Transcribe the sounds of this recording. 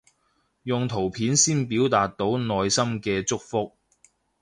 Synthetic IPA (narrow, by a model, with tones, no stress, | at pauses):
jʊ˨ŋt̪ʰo˨˩wpʰiː˨˥nsiː˥npiː˨˥wt̪aː˨t̚t̪ːo˨˥wnɔː˧jsɐ˥mkɛː˧t͡sʊ˥k̚fʊ˥k̚